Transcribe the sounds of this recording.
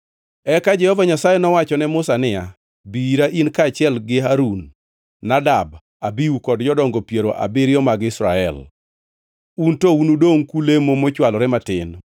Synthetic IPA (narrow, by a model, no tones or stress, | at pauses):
ɛkad͡ʒɛhɔvaɲasajɛnɔwat͡ʃɔnɛmʊsanɪja | biɾaʔinkaːt͡ʃɪɛlɡɪɦaɾunː | adab | abiukɔdd͡ʒɔdɔŋɡopjeɾoʔa̰bɪɾɪɔmaɡɪsɾa̰ɛ̰l | untounudoŋkulemomot͡ʃwalɔɾɛmatɪn